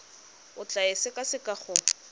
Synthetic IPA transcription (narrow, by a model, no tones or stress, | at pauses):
ʊt͡ɬaɪsɪkʼasɪkʼaχʊ